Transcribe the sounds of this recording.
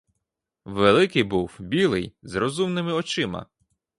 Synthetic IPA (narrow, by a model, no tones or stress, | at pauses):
ʋelˠɪkɪjbuwbʲilˠɪ̰jzrɔzumnɪmɪɔt͡ʃɪmɐ̰